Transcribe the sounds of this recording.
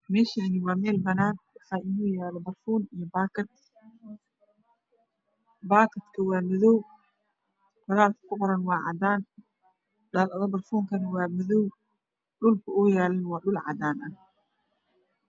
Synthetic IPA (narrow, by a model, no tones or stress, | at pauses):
mɛːʃanɪwɑːmɛːlbɐnaːnwɑħɑːʔɪnuːjɛːlɔbɐrfuːnijɔba | baːkʰɐt̪kʰɐwɑːmʊðɔw | kʰɔlaːlkʰɐ̥kʰʊqɔɾɐnwɑːʕɑ̰d̪aːn | daːlʔɐðɐbɐrfuːŋkʰɐnɐwɑːmʊðɔw | ɗʊlkʰɐʊːjɛːlɐnwɑːɗʊlʕɑ̰d̪aːnɐh